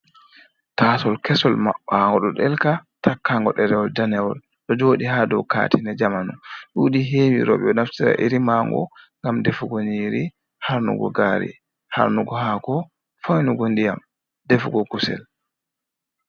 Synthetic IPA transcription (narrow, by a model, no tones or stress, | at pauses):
taːsɔlkɛsɔlmaɓːaŋɡɔɗɔɗɛlkatakːaŋɡɔ̰ɗɛɾɛwɔldanɛwɔl | ɗɔd͡ʒoːɗihadɔwka̰ːtʰinɛd͡ʒamanuɗuːɗiɦeːwiɾɔ̰ɓɛɔnaftiɾa̰ʔiɾimaŋɡɔ̰ŋɡamdɛfuɡɔɲiːɾi | haɾnṵɡɔ̰ɡaːɾḭ | ha̰ɾnuɡɔhakɔ | fɔjnuɡondijam | dɛfuɡɔkusɛ̰l